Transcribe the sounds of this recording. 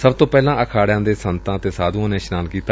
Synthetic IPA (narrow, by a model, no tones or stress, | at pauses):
səbt̪oːpɛːlãːʔəkʰaːɽɪjãːd̪eːsənt̪ãːt̪eːsaːd̪ũãːnẽːʃnaːlkiːt̪a